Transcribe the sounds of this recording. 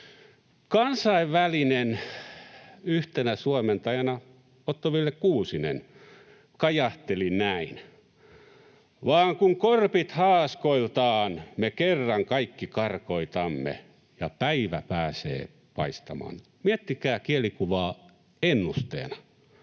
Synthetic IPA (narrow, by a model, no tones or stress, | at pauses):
kɑnsɑiʋʋælinen | yht̪enæsuoment̪ɑjɑnɑ | ot̪ːoʋilːekkuːsinḛn | kɑjɑht̪elinæin | ʋɑːŋkuŋkorpit̪hɑːskoilt̪ɑːnmekerːɑŋkɑikːikɑrkoit̪ɑmːḛ | jɑpæiʋæpæːsḛː | pɑist̪ɑmɑ̰ːn | miet̪ːikæːkielikuʋɑː | enːust̪ḛːnɑ